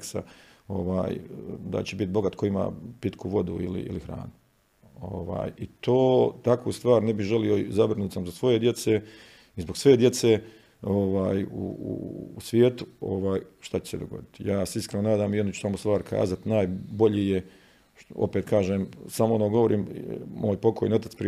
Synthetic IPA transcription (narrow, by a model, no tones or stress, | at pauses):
ksa̰o̰ʋa̰ːjd̪a̰t͡ɕebit̪̚bo̞ɡat̪kojima̰ːpit̪kʰuʋo̞d̪uḭlḭḭlixɾa̰ːnu | o̰ʋa̰ːjit̪oːt̪akust̪ʋaːɾnebixʒe̞lio̞zabɾnuːt̪samzbosʋo̞je̞d̪je̞t̪seː | izbo̞ɡsʋe̞d̪je̞t̪se̞ː | oʋaːjṵṵːsʋjeːt̪u̥o̰ʋaːjʃt̪at͡ɕe̥se̞d̪oɡo̞̰d̪it̪ijaːseiskɾenonaːd̪aːmiod̪nut͡ʃu̥samost̪ʋaːɾkʰa̰ːzat̪naːjbo̞ʎije | o̰peːt̪kʰaːʒeːmsamoonoɡo̞ʋo̞ɾʔiːmmoːjpo̞kʰojḛno̞t̪at̪spɾi